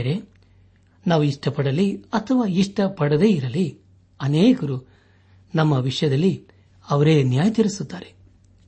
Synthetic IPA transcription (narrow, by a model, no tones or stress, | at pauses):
ɾe̞ | naːʋuiʂʈɐpɐɽɐlːiɐt̪ʰɐʋaːiʂʈɐpɐɽɐd̪e̞ːiɾɐlːi | ɐneːkɐɾu | nɐmːɐʋiʂɐjɐd̪ɐlːi | ɐʋɐɾe̞ːnjaːjɐt̪ɐɾisut̪ːaːɾe